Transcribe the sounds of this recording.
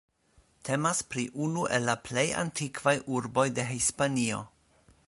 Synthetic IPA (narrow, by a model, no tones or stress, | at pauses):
tʰe̞maspɾiʔunuʔe̞lːaple̞ja̰ntikvajʔuɾbo̞jde̞ɦispanio̞̰